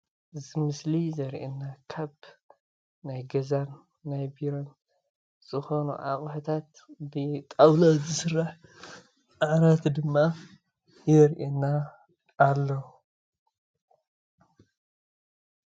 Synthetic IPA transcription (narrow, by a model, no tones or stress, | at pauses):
zɨmɨslizɐɾʔḛnːakʰaβ | najɡɐzanː | ajbiɾon | z̥ɨxo̞nṵʔa̰χʼħɨt̪ʰat̪ | bɨt̪ʼawlɐzɨsɨrːaħ | ʔaʕɾat̪d̪ɨmːa | jɛɾʔenːaː | lːɐ